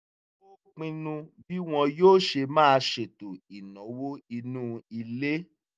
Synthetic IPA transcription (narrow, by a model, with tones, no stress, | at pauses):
o˦k͡pĩ˧nũ˧bi˦w̃ɔ̃˧joː˦˨ʃe˧mãː˦˧ʃe˨to˨i˨nɔ̃˨˦wo˦i˧nũ˦˨i˧le˦